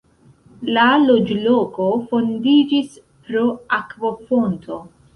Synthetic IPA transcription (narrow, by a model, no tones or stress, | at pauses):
lalod͡ʒloːkofond̪iːd͡ʒis | pɾoakvofont̪ʰo